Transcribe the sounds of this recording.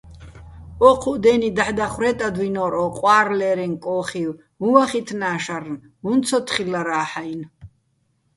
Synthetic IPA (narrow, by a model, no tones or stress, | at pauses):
ɔqʰuʔd̪ɛnid̪aħd̪aχwɾɛt̪ʼad̪winɔɾɔqʼwaːɾlɛɾɛŋkʼɔːχiw | uwaχit̪ʰnaːʃarn | vunt̪t͡sʰɔt̪ʰχilːaɾaːħajn